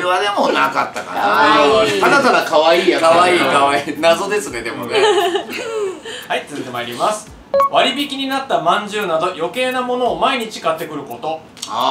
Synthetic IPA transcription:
ɯβad̪e̞monakat̪ːaka̰ɾa | anat̪aɡ̪akaβaiːakaβaiːkaβainazo̞d̪e̞sɨne̞d̪e̞mone | hait͡sɨɨt̪e̞maiɾʲimasɨ̥ | βaɾʲibʲikʲiɲ̟inat̪ːamãɲ̟d͡ʑɨːnad̪o̞jo̞ke̞ːnamo̞no̞ːmaiɲ̟it͡ɕi̥kat̪ːe̞kɯ̟ɾɯ̟ko̞t̪o̞

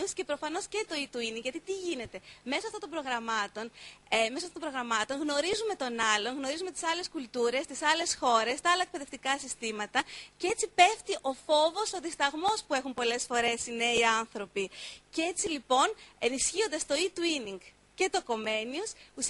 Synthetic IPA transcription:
usce̞pɾo̞fɐno̞sce̞t̪o̞it̪uiniŋɡʝɐt̪it̪iʝine̞t̪e̞me̞soɐft̪ont̪o̞mbɾo̞ɣɾɐmɐt̪o̞nmesoɐftot̪bɾo̞ɣɾɐmɐt̪o̞nɣno̞ɾizume̞t̪o̞nɐlo̞nɣno̞ɾizume̞t̪i̥sɐle̞skult̪uɾe̞st̪isɐle̞sxo̞ɾe̞st̪ɐɐlɐek̚pe̞ðe̞ft̪ikɐsist̪imɐt̪ɐceet͡sipe̞ft̪iʔo̞fo̞vo̞soðist̪ɐɣmo̞spuexumpo̞le̞sfo̞ɾe̞sineiɐnθɾo̞piceet͡silipo̞ne̞nisçio̞nd̪ɐst̪o̞it̪uiniŋɡ | ce̞t̪o̞ko̞me̞niusus

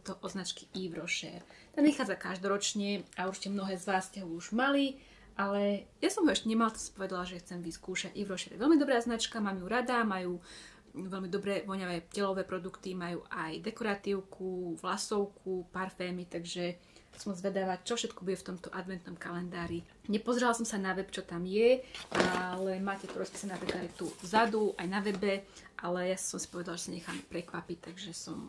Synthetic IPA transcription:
t̪ɔʔɔznat͡ʃki̥ʔiʋɾɔʃɛ̰ɾt̪anʋixaːd͡zakaʒd̪ɔɾɔt͡ʃɲɛauɾt͡ʃi̥cɛmnɔɦɛːzʋaːsːcɛɦɔuʒmali | ʔalɛjasɔmɦɔɛʃcɛɲɛmalt̪ɔsḁpɔʋɛd̪alaʒɛxt͡sɛmʋiskuːʃaɟiʋɾɔʃɛːɾjʋɛlmid̪ɔbɾaːznat͡ʃkamamjuːɾad̪amajuː | ʋɛlmid̪ɔbɾɛʋɔɲaʋɛːcɛlɔʋɛːpɾɔd̪ukt̪imajuːʔajd̪ɛkɔɾat̪iːʊkʰuʋlasɔʊkʰupaɾfɛːmit̪aɡʒɛ | sɔmzʋɛd̪aʋact͡ʃɔfʃɛt̪kɔbuɟɛft̪ɔmt̪ɔʔad̪ʋɛnt̪nɔmkalɛnd̪aːɾi | ɲɛpɔzɾɛlasɔmsanaʋɛpt͡ʃɔt̪amjɛʔalɛmaːcɛt̪ɔɾɔspi̥ːsanɛnapɾiklad̪ajt̪uvzad̪uʔajnaʋɛbɛʔalɛjasɔmsi̥pɔʋɛd̪alʒɛsaɲɛxa̰ːmpɾɛkʋapic̚t̪aɡʒɛsɔm

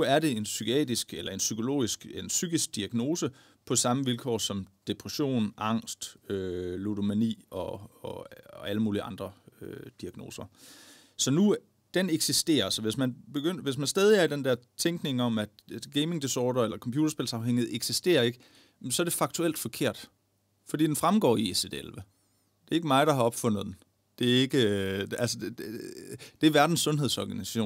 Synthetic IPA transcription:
nuæɐɾe̝e̝nsykʰɛ̰ːd̥ʁisɡ̥elɐe̝nsykʰo̝lo̝̰ːisɡ̥ensyɡ̥isɡ̥̚d̥iæɡ̥no̝ːsə | pʰɒ̽sɑ̈məʋilkʰɒ̰ːsɒ̽md̥e̝pʰʁɛɕo̝̰ːnʔɑ̈ŋ̰sd̥øludo̝mænḭːɒ̽ɒæləmuːliɑ̈nd̥ʁɐød̥iæɡ̥no̝ːsɐ | sɒ̽nu | d̥eneɡ̥sisd̥e̝̰ːɐsɒ̽ʋe̝smænb̥e̝ɡ̥øn̰ɐʋe̝s̬mænsd̥ɛːð̞ˠiæɐdend̥æɐt͡sʰeŋɡ̥ne̝ŋɒ̽mæd̥ɡ̥eɪme̝ŋd̥isɒːɾ̥ɐelɐkʰɒ̽mpjuːd̥ɐsb̥e̝lsɑ̈ʊɦeŋ̰iheeɡ̥sisd̥e̝̰ːɐe̝ɡ̥ə | sɒɐd̥ɾe̝fɑ̈ɡ̥t͡sʰuel̰d̥fɒ̽kʰe̝ɐ̰d̥ | fɒdḭːd̥enfʁamɡ̥ɒ̰ːiesed̥elʋə | d̥e̝ɐe̝ɡ̥əmɑ̈ɪd̥ɑ̈ɦɑ̈ɒ̽b̥fɔ̽n̰ð̩ˠd̥en | d̥e̝æe̝ɡ̥əælsə̥ | d̥e̝æʋæɐd̥n̩sːɔ̽nɦeðˠsɒ̰ɡ̥ænisæ̥ɕo̰ːn

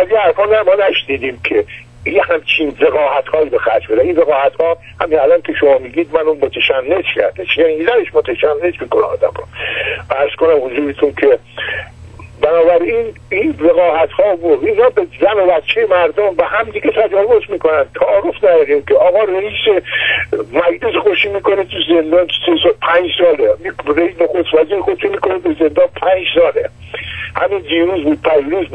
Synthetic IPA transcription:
æzjeæɾfɒːlæmɒːnæʃniːd̪iːmkʰe | jehæmt͡ʃʰinve̞ɣɒːhæt̪hɒːiːbexæɾd͡ʒbed̪æninveɣɒːhæt̪hɒː | hæ̰minælɒnkʰe̞ʃomɒːmiːɡiːd̪mænumot̪ʰeʃænːed͡ʒcʰæ̰ɾd̪eʃjænizæneʃmot̪ʰæʃænːe̞d͡ʒmiːkonaɒ̰ːd̪æ̰mɾoæɾz̥konæmhozuːɾet̪ʰunkʰe | bænɒːbæɾininveɣɒːhæt̪hɒːbod̪inɒːbezæme̞bætt͡ʃʰːejemæɾd̪ombehæmd̪iɡet̪ʰæd͡ʒɒːvozmiːkonænt̪ʰæɒːɾofnæj̪ɒd̪iːmkʰeʔɒːɣɒːreiːse | mæd͡ʒlesexoʃimiːkonet̪ʰuzend̪ɒːnsesɔːlpʰæɲd͡ʒsɒːlemɾeisnoxost̪væziːɾexod̪eʃunmiːkʰonebeze̞nd̪ɒːnpʰænd͡ʒsɒːle | hæ̰mind̪iːɾuːzbuːd̪̚pʰæd͡ʒɾuːzb

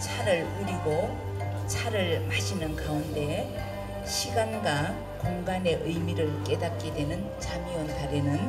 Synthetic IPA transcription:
t͡ɕʰaɾɯɭuɾiɡo | t͡ɕʰaɾɯɭmaɕʰinɯnkaunde̞ | ɕʰiɡanɡa | koŋɡane̞ʔɯjmiɾɯɭk͈e̞dat̚k͈edwe̞nɯnt͡ɕamiwʌntaɾenɯn

